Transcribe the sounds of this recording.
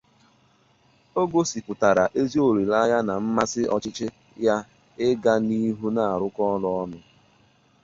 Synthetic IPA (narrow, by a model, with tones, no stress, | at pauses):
o˦ɡo˦si˨pʊ˨ta˨ɾa˨ʔe˦zi˦o˨ɾi˨la˦ja˦na˨m̩˦ma˦sɪ˦ʔɔ˦t͡ʃɪ˦t͡ʃɪ˦ | ja˦ | ɪ˦ɡa˦ni˦ɦu˦na˨a˨ɾʊ˦kɔ˦lɔ˦ɔ˦nʊ˦